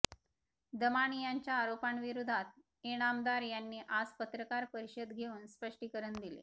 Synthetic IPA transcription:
d̪əmaɳijaɲt͡ɕjaːɾopaɳʋiɾud̪ʱat̪̚ | eɽ̃amd̪aɾjanːiːʔad͡zpət̪ɾəkaɾpəɾiɕəd̪ɡʱeuːnspəʂʈiːkəɾəɳd̪ilḛ

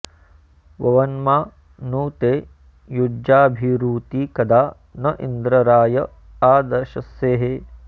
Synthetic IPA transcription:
ʋɐʋɐnmaː | nuːt̪eː | jud͡ʒaːbʱiɾuːt̪ikɐd̪aː | nɐʔḭnd̪ɾɐɾaːjɐ | aːd̪ɐʃɐseːɦe

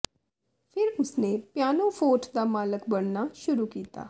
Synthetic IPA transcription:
pʰɪɾʊsnepjaːnõpʰoːʈʰd̪aːmaːləkbəɽnaʃʊɾuːkiːt̪a̰ː

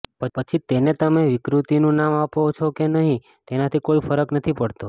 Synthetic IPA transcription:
pəpət͡ʃʰit̪enet̪əmeʋɪkɾut̪inũnamapot͡ʃʰokenəɦĩ | t̪enat̪ʰikoifəɾəknət̪ʰipəɽt̪o

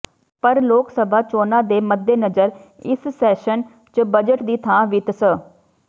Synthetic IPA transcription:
pəɾloːksəbʱaːt͡ʃoːnaːd̪eːməd̪ːeːnəd͡ʒəɾ | ɪssɛːʃən | t͡ʃəbəd͡ʒəʈd̪iːt̪ʰãːʋɪt̪sə

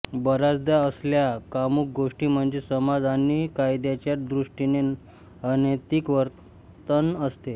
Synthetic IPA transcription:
bəɾad͡zd̪aəsljakamuːk̚ɡoʂʈiːm̤əɳd͡zesəmad͡zanːikajd̪jat͡ɕjad̪ɾuʂʈine | ənet̪ikʋəɾt̪ | t̪ənəst̪e

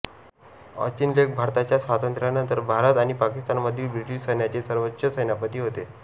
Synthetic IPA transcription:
ə̰t͡ɕinlek̚bʱaɾt̪at͡ɕjasʋat̪ənt̪ɾjanənt̪əɾbʱaɾət̪aɽ̃ipakist̪anməd̪ʱːiːbɾiʈiɕsəjnjat͡ɕesəɾʋəɕʰəsəjnapət̪iːɦot̪e

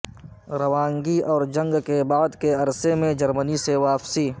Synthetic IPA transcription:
ɾɐʋãːŋɡiɔːɾd͡ʒɐ̃ŋɡkebaːd̪keɐɾsemẽd͡ʒɐɾməniseʋaːfsiː

